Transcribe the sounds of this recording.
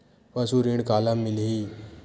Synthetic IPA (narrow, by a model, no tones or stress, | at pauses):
pəsuɾĩɳkaːlamːilɦi